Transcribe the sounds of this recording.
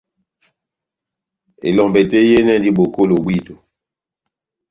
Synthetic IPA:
ḛ˨lɔ˨mbe˨te˦je˦nɛ˦di˦ɓo˨ko˦lo˨bwi˦˨to˨

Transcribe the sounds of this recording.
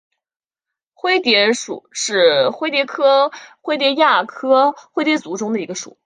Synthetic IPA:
xwe˥ɪt̪jɛ˧˥ʂṵ˨˩˦ʂɻ̩˥˩xwe˥ɪt̪jɛ˧˥kʰɤ˥xwe˥t̪jɛ˧˥ja˥˩kʰɤ˥xwe˥ɪt̪jɛ˧˥t͡su˧˥ʈ͡ʂʊ˥ŋd̪ə˨i˧˥ɡə˧ʂṵ˨˩˦

